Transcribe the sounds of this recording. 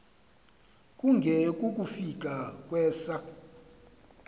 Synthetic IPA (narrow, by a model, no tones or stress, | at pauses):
kʼuŋɡʱɛkʼukʼufik̬ʼakʼwɛːsa